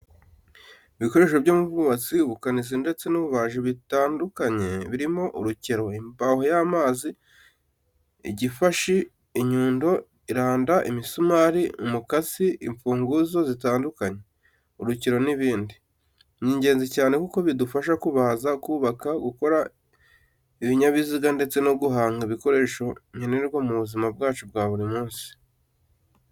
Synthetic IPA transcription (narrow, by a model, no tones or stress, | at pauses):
iβiko̞ɾe̞ʃeβɟoːmuvuβat͡siuβukanizinde̞t͡se̞nuβuβaːʒiβitaːndukaɲe̞βiɾimo̞ʔuɾuceɾo̞imbahojaːmaːzi | ḭɟifaʃiː | ɲuːndo̞ | iɾaːndaʔimisumaɾiumukasiiɱfuːŋɡuzo̞zitaːndukaɲe | uɾuciɾo̞niβiːndi | ɲiɲɟe̞ːnzicaːne̞kuko̞βidufaʃ̬akuβazakuːβakaɡuko̞ɾa | iβiɲaβiziɡande̞t͡se̞no̞ɡuɦaːŋɡiβiko̞ɾe̞ːʃo̞ɲe̞ne̞ɾɡwamuβuzimabɡaːt͡ʃub̚ɡaːβuɾimuːnsi̥